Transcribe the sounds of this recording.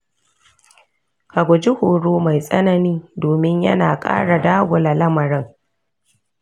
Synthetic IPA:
ka˨ɡʷʊ˨d͡ʒɪ˦hoː˨ɽoː˦ma˨jsʼɐ˦nɐ˨niː˦doː˨mɪ˦ɲjɐ̰˦naː˨kʼa̰ː˦ɽa˨daː˦ɡʷʊ˨la˨lɐ˦mɐ˨ɾɐ˦ŋ

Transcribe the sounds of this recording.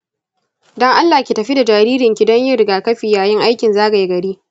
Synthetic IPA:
dɔ˦ŋʔa˦lːaː˨kʲi˨tɐ˨ɸi˦da˨d͡ʒaː˨ɾiː˦ɾɪ˨ŋkʲi˨dɔ˦ɲjɪ˦ɾɪ˨ɡaː˨kɐ˦ɸiː˨jaː˨jɪ˦ŋʔa˦jkʲɪ˨nzaː˦ɡɐ˨ji˦ɡɐ˨ɽiː˦

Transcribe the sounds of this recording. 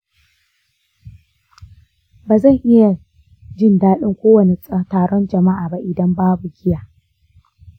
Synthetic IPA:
baː˨zɐ˦˨ŋʔɪ˦ja˨ | d͡ʒɪ˦˨ndaː˦ɗɪ˦ŋkʷoː˦wɐ˨ne˨˦taː˨ɽɔ˦nd͡ʒɐ˨ma˦ʔaː˨ba˦ʔɪ˨dɐ˦mbaː˦bu˨ɡʲɪ˦jaː˨

